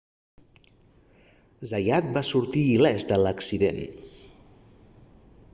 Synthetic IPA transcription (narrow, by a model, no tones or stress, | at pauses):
zajat̪̚basuɾt̪iːlɛzd̪ələksiðḛn